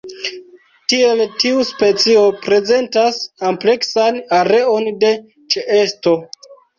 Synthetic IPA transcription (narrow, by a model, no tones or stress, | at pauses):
tie̞ltiuspe̞t͡sio̞pɾe̞ze̞ntasample̞ksanaɾe̞o̞nde̞ | t͡ʃeʔe̞sto̞